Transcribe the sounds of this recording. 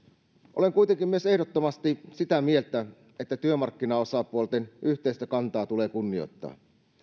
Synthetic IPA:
ʔoleŋkuit̪eŋkimyøse̞hdot̪ːomɑst̪isit̪æmielt̪æ | et̪ːæt̪yømɑrkːinɑosɑpuolt̪enʔyçt̪eist̪ækɑnt̪ɑːt̪ule̞ːkunːio̰t̪ːɑ̰ː

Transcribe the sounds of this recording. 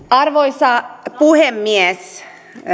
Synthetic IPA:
ɑrʋoisɑpuhemːiɛs

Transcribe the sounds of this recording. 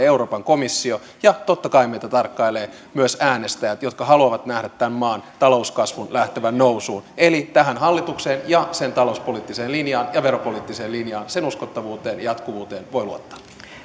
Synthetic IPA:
euɾo̞ːpɑŋko̞misːio̞ | jɑt̪ot̪ːɑkɑimejt̪æt̪ɑrkːɑileː | myøsæːnest̪æjæt̪jo̞t̪kɑɦɑluɑʋɑt̪næhdæt̪tːæmmɑːnt̪ɑlo̞uskɑsʋunlæht̪eʋænnowsuːne̞lit̪æɦænɦɑlːit̪ukseːnjɑse̞nt̪ɑlouspo̞liːt̪ːiseːlinjɑːnjɑʋe̞ɾopoliːt̪ːise̞ːlinjɑːnse̞nuskot̪ːɑʋuːt̪eːnjɑt̪kuʋuːt̪e̞ːnʋo̞jluot̪ːɑ̥ː

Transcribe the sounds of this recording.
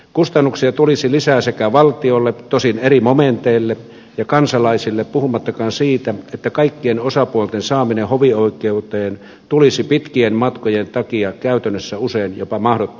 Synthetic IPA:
kust̪ɑnːuksiɑt̪ulisilisæːsekæʋɑlt̪iolːet̪osinerimoment̪eilːe | jɑkɑnsɑlɑisilːeppuhumɑt̪ːɑkɑːnsiːt̪æet̪ːækɑikːienosɑpuolt̪ensɑːminehoʋioˑikˑeut̪eːn | t̪ulisipit̪kienmɑt̪kojent̪ɑkiɑkæˑyt̪ænːøsːæuseinjopɑmɑhdot̪ː

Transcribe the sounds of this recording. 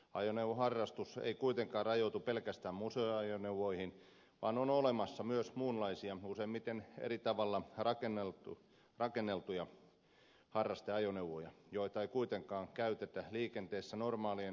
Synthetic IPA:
ɑ̰joneuʋohɑrːɑst̪usḛikuit̪eŋkɑːrrɑjot̪upelkæst̪æːmmuseoɑjonewʋoihin | ʋɑ̰ːnonolemɑsːɑmyøsmuːnlɑisiɑuseimmit̪enḛit̪ɑʋɑlːɑrɑkenːelt̪u | rɑkenːelt̪ujɑ | hɑrːɑst̪eɑjoneuwʋojɑjoit̪ɑeikuit̪eŋkɑːŋkæyt̪et̪æliːkent̪eːsːænormɑːlie

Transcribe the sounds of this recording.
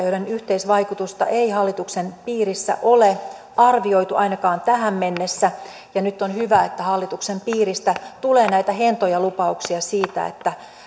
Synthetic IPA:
joɾenyht̪eisʋɑikut̪ust̪ɑ̰ʔeihɑlːit̪uksenpiːrisːæ̰ʔole | ɑrʋiojt̪uʔɑinɑkɑːnt̪æɦæmmenːesːæ | jɑnyt̪ːonhyʋæet̪ːæhɑlːit̪uksempiːrist̪æt̪uleːnæit̪æɦent̪ojɑlupɑuksiɑsiːt̪æ̰ḛt̪ːæ

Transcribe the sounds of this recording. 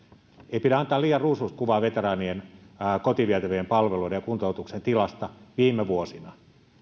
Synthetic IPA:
eipiɾæɑnt̪ɑːliːjɑrruːsust̪̚kuʋɑːʋet̪erɑːnienkot̪iʋiæt̪æʋøjempɑlʋelujdejɑkunt̪out̪uksent̪ilɑst̪ɑʋiːmːeʋuosinɑ

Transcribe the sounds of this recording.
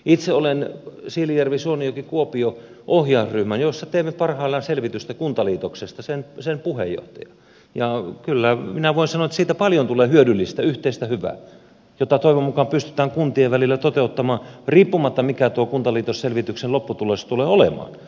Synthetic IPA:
it̪seolensiːlijærʋisuonijokikuopio | ʔohjɑˑːsryhmænjosːɑt̪eːmːepɑrhɑˑilːɑnselʋit̪yst̪ækunt̪ɑliːt̪oksest̪ɑsensenpuhḛjo̰ht̪ɑjɑ | jɑkylːæminæʋoˑinsɑnoet̪ːsiːt̪æpɑljont̪uleːhyødylːist̪æyht̪eist̪æhyʋæ̰ː | jot̪ːɑt̪oˑiʋomːukɑmpyst̪y̥t̪æːŋkunt̪ieʋʋælilːæt̪ot̪eut̪ːɑmɑːnriːpːumɑt̪ːɑmikæt̪uokunt̪ɑliːt̪osselʋit̪ykselopːut̪uleˑst̪uleːolḛmɑ̰ːn

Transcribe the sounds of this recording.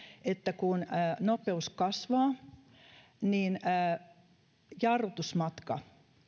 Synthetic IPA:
et̪ːækunːnopeuskɑsʋɑː | niːnː | jɑrʋot̪usmɑt̪kɑ̰

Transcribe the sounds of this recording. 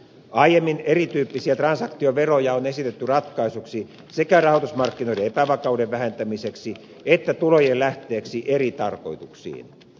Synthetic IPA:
ɑijemːinerit̪yːpːisiæt̪rɑnsɑkt̪ioʋerojɑonesit̪et̪ːyrɑt̪kɑisuksi | sekærɑhot̪usmɑrkːinoideepæʋɑkɑudeʋʋæhent̪æmiseksi | et̪ːæt̪ulojellæht̪eːksiʔerit̪ɑrko̰it̪uksḭːn

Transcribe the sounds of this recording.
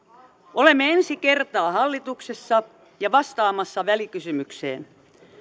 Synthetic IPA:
ʔolemːeensikert̪ɑːhɑlːit̪uksesːɑ | jɑʋɑst̪ɑːmɑsːɑʋælikysymyksḛːn

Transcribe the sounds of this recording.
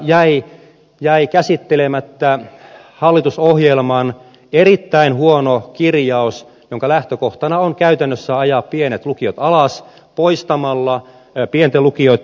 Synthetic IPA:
jæi | jæikæsit̪ːelemæt̪ːæ | hɑlːit̪usohjelmɑn | erit̪ːæinhuonokirjɑus | joŋkɑlæht̪økoht̪ɑnɑoŋkæyt̪ænːøsːæɑjɑːppienet̪lukiot̪ɑlɑs | poist̪ɑmɑlːɑ | pient̪elukioit̪

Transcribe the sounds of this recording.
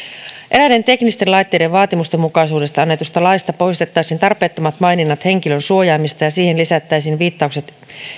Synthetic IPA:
ʔe̞ɾæde̞nt̪e̞knist̪e̞nlɑjt̪ːe̞jde̞ʋʋɑːt̪imust̪emːukɑisuːde̞st̪ɑɑnːe̞t̪ust̪ɑlɑist̪ɑpo̞jst̪e̞t̪ːɑjsiːnt̪ɑrpe̞ːt̪ːo̞mɑt̪mɑjninːɑt̪he̞ŋkilønsuo̞jɑːmist̪ɑjɑsiːhenlisæt̪ːæjsiːnʋiːt̪ːɑukse̞t̪

